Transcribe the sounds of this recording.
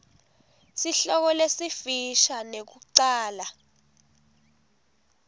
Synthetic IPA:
siɬɔk̬ɔlesifiʃanek̬uǀaːla

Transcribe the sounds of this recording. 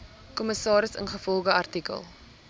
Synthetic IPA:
kɔməsɑːɾəsə̰nχəfɔlˠχəɐrtikə̰lˠ

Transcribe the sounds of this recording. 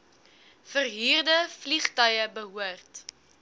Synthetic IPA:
fərɦiːrdəfliχtœjəbəɦuərt

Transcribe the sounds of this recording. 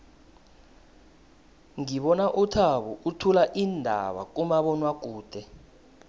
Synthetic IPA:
ŋiɓɔnaʔutʰaɓuʔutʰulaʔindʱa̰ɓa̰k̬umaɓɔnwak̬uːd̥ʱɛ

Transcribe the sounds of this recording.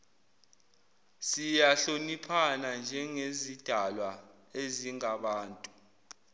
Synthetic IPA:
sijaɬonipʰanand͡ʒʱɛŋezid̥ʱalwa | eziŋaɓaːntʼu

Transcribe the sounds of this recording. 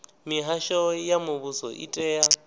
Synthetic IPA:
miɦaʃɔjamʊβusɔ̰ʔḭtʼɛːja

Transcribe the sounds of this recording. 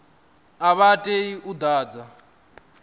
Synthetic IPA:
aβatʼeiʔud̪aːd͡za

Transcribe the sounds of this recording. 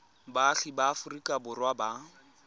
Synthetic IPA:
baːɬibaːfʊrikʼabʊrwaba

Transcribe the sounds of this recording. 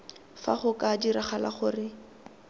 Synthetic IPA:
fa̰χʊkadiɾaχala̰χʊrɪ

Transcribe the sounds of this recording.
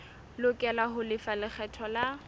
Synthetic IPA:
lʊkʼɛlahʊlɪfalɪk͡xʰɛtʰɔla

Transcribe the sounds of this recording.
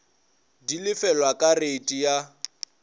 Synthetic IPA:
dilɪfɛlwakʼaretʼija

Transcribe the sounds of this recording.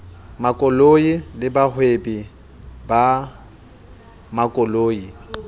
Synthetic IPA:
makʼɔloilɪbahwebi | ba | makʼɔloːi

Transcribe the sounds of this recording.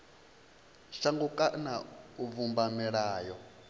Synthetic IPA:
ʃaŋɡukʼanauvumbamɛɺaːjɔ

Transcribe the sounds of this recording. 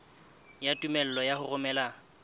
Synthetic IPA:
jatʼumɛl̩lɔjahʊrʊmɛːla

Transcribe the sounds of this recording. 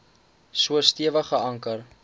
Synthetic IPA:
suəstiəvəχəɐŋkər

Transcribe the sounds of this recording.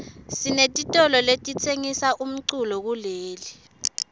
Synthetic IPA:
sinetʼitʼɔlɔletʼit͡sʰeŋisaʔum̩ǀulɔk̬uleːli

